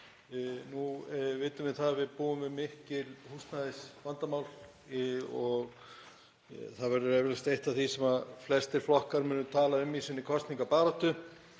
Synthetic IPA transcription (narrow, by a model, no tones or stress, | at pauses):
nuvɪːt̪ʏmɪð̥θaðavɪðpuːʏmvɪðmɪhcɪlhust̪naðɪsvant̪amaːwl | ɔɣ | θaðvɛɾʏɾɛvɪlʏst̪ejht̪aθisɛmaðflɛst̪ɪɾ̥flɔhkaɾmʏːnːʏt̪ʰaːlaʏmisɪnːɪkʰɔst̪niŋkapaːɾɔht̪ʏ